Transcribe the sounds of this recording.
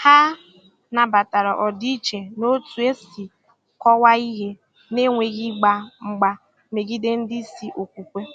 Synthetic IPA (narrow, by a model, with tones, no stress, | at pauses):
ha˦ | na˨ba˨ta˨ɾɔ˨ʔɔ˨di˦t͡ʃe˨no˦tu˨e˦si˨ | kɔ˦wa˦i˦ɦe˦ | ne˦ŋʷe˨ɣi˦ɡ͡ba˨ŋ͡m̩˨ɡ͡ba˨ | me˨ɡi˦de˦n̩˦dɪ˦si˨ʔo˨kʷu˨kʷe˦